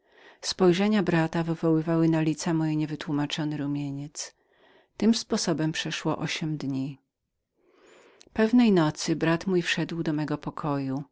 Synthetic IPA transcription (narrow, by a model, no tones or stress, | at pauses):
spɔjʐɛɲabɾat̪avɘvɔwɘvawɘnalʲit̪samɔjɛɲɛvɘt̪wumat͡ʂɔnɘɾumʲjeɲɛt̪s | t̪ɘmspɔsɔbɛmpʂɛʂwɔʔɔɕɛmd̪ɲi | pɛvnɛjnɔt̪sɘbɾat̪mujfʂɛd̪wd̪ɔmɛɡɔpɔkʰɔju